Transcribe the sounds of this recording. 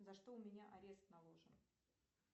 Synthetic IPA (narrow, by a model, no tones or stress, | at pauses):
zɐʂt̪oʊmʲɪnʲaʔɐɾʲe̞st̪nɐlˠo̞ʐɨn